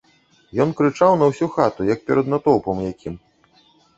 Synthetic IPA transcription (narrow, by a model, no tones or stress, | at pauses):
jɔnkɾɨt͡ʂawnɐwsʲuxat̪ujɐk̚pʲɛɾɐd̪nat̪ɔwpɐmjakʲʰim